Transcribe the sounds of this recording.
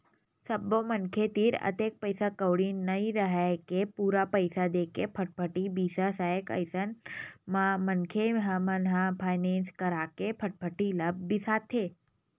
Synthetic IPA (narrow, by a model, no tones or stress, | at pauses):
səbːomənkʰet̪iɾə̰t̪ek̚pəjsakəʋɽinəɦĩɾəɦakepuɾapəjsad̪ekepʰəʈ̚pʰəʈibisasaekə̰jsənmamənkʰeɦəmənɦapʰajnẽnskəɾakepʰəʈ̚pʰəʈiləb̚bisat̪ʰe